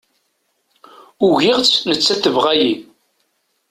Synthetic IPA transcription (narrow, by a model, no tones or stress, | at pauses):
ʊʝɪʁt͡snət͡sːæθəvʁaji